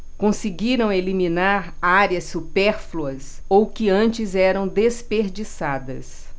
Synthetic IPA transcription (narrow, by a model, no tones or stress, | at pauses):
kõsɪɡiɾɐ̃w̃elimĩnaɾaɾjɐsːupɛɾfluɐs | owkɪɐ̃t͡ʃɪzɛɾɐ̃w̃d̪espeɾd͡ʒisad̪ɐ̰s